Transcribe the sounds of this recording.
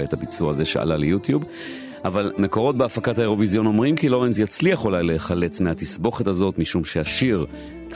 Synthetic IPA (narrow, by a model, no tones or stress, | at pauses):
etabit͡suaːze̞ʃa̰ʔa̰lalejutjub | ʔavalme̞ko̞ʁo̞t̚beafakathaeʁo̞vizijo̞no̞mʁimkilo̞ʁens̬jat͡sliaχolajleχale̞t͡smehat̪isbo̞χetazo̞tmiʃumʃeaʃiʁ | k